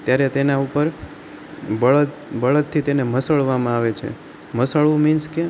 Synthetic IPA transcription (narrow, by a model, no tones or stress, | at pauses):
t̪jaɾet̪enaupəɾ | bəɭət̪bəɭət̪ʰːit̪eneməsəɭʋamãaʋet͡ʃʰḛ | məsəɭʋũminske